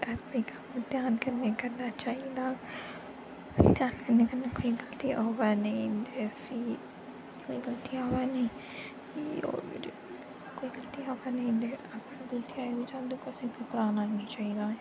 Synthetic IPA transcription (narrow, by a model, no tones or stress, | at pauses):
ɐikʰamt̪jaːnkɐɾnekɐɾnat͡ʃaːɦĩd̪aː | t̪jaːnkɐɾnekɐɾnekoːiɡɐlt̪iʔaːʋanɐĩdefi | koːiɡɐlt̪iaːʋaneĩ | io̰ | koːiɡɐlt̪iaːʋanɐ̃ĩd̪eɐɡəɾɡɐlt̪iaːibid͡ʒãːnd̪ukosẽpepɾaːnaːnit͡ʃaːɦĩd̪aːẽ